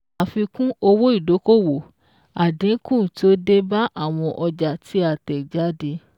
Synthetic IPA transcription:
a˨fi˧kũ˦o˧wo˦i˦˨do˨˦ko˦˨wo˨ | a˨dĩ˨˦kũ˦˨ti˦o˦de˦ba˦ʔa˦˨w̃ɔ̃˧ʔɔ˧d͡ʒa˨tʰi˨˦a˦˨tɛ˨d͡ʒa˨˦di˧

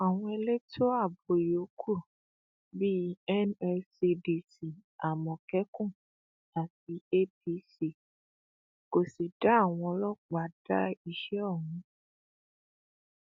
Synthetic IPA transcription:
a˨wũ˦e˧le˦tʰo˦a˦˨bo˨jo˨˦kʰu˦˨ | bi˦ɛ˦nɛ˧si˧di˧si˨a˨mɔ̃˨kɛ˦kũ˦˨ | a˨ti˨˦e˦pi˧˦si˦ | ko˨si˨da˨˦a˦˨w̃ɔ̃˧˦lɔ˦k͡pa˨˦da˦i˦˨ʃɛ˦ɔ˦˨ɦũ˧˦

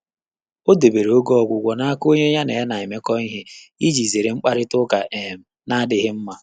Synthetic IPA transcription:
o˦de˨be˨ɾe˨o˦ɡɔ˨ɡʷʊ˨ɡʷɔ˨na˦a˦ko˦ɲe˦ɲa˦ne˨˦na˨ɪ˨me˦kɔ˦i˦ɦe˦i˦d͡ʒi˨ze˨ɾe˨ŋ͡m̩˦k͡pa˦ɾɪ˦tʊ˦ka˨ʔe˨m̩˨ | na˦dɪ˦ɦɪ˦m̩˦ma˨

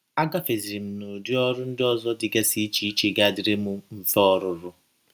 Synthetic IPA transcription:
a˦ɡa˦fe˨zi˨i˨m̩˨no˨di˦ɔ˦ɾʊ˦n̩˦dɪ˦ɔ˦zɔ˦dɪ˨ɡa˦si˦t͡ʃi˨˦i˦t͡ʃe˨ɡa˦˨dɪ˨ɾe˦mʊ˦m̩˦fɔ˦ɾʊ˨ɾʊ˦

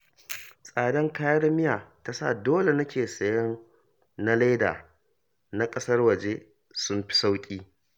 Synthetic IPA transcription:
sʼaː˨dɐ˦ŋkaː˦jɐ˦rmɪ˦jaː˨ta˦sa̰˦˨doː˦le˨nɐ˦kʲʰeː˨sɐ˨jɐ˦n | na˦la˦jda̰ː˨ | na˦kʼɐ˦sɐ˦rwɐ˨d͡ʒe˦ | sʊ˦mɸi̥˦sa˦wkʲʼiː˦

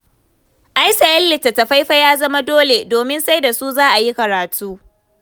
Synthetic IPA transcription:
ʔa˦jsa˨ʔɪ˦lːɪ˨ta˨ta˨ɸa˦jɸa˦jaː˦zɐ˦ma˦doː˦le˨doː˨mɪ˦nsa˦jda˨su˦zaː˦ʔa˨ji˦kɐ˨ɾaː˨tʰuː˦

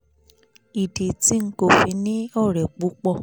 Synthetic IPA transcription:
i˨de˨ti˦ŋ̩˦ko˦˨fi˧nĩ˦ɔ˦˨ɾɛ˨k͡pu˨˦k͡pɔ˧˨

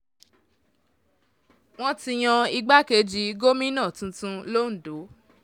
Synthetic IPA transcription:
w̃ɔ̃˦ti˧j̃ɔ̃˧i˧ɡ͡ba˦ke˧˦d͡ʒi˧ɡo˦mĩ˦nã˦˨tũ˧tũ˧lo˦n̩˨do˨˦

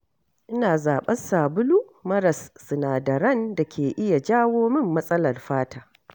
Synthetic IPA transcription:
ʔɪ˦naː˨zaː˨ɓɐ˦nsaː˨bʊ˦lu˦ | mɐ˦ɾɐ˨sːɨ˨naː˨dɐ˨ɾɐ˦nda˨kʲʰeː˨ʔɪ˦ja˨d͡ʒaː˦woː˦mɪ˦mːɐ˦sʼɐ˦lɐ˨rɸaː˦taː˦

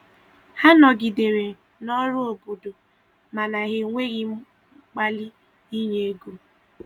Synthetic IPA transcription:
ha˦nɔ˨ɡɪ˨de˨ɾe˨ | nɔ˦ɾʊ˦o˨bo˨do˨ | ma˨na˨ɣɪ˨ŋʷe˦ɣɪ˦ | k͡pa˦lɪ˦ | i˦ɲe˨e˦ɡu˦

